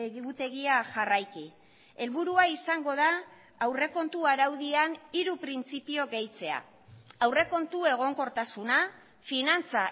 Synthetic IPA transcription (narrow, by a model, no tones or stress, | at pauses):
ut̪e̞ɣiaʝarajki | e̞lβuɾuaisaŋɡo̞ðaː | wre̞ko̞nt̪uaɾawðianiɾupɾint͡sipio̞ɣe̞jt͡se̞a̰ | awre̞ko̞nt̪ue̞ɣ̞o̞ŋko̞ɾt̪asuna | finant͡sa